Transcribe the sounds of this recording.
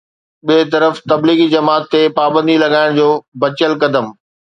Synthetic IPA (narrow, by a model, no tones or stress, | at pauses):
ɓiːt̪ɐɾəft̪ɐbliːɣid͡ʑɐmaːt̪ːepaːbə̃nd̪ilɐɠaːɪɽ̃d͡ʑoːbɐt͡ɕəlkɐd̪əm